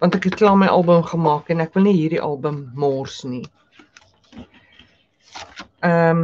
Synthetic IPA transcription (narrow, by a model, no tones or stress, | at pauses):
vɑntækɦɛt̚klɑːməjʔɑlˠbəmχəmɑːkenækvəlˠniɦiːrdiʔɐlˠbəmːoːrsni | əm